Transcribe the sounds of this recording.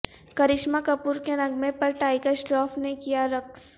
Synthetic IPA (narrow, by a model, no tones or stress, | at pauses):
kɐɾɪʃmakɐpuːɾkeɾɐ̃ŋɡmẽpɐɾʈaːɪkəsʈɾɔːfnekijaɾɐks